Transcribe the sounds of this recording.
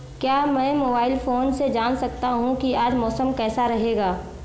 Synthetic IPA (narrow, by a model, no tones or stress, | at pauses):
kjaːmɛ̃ːmoːbaːɪlfoːnsed͡ʒaːnsɐk̚t̪aɦũkiaːd͡ʒmɔːsəmkɛːsaɾɐɦeːɡaː